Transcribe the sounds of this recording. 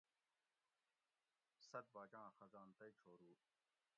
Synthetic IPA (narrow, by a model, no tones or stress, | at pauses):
sɐt̪̚baːt͡ɕãːxɐzaːnt̪ɐit͡ɕʰoːɾuː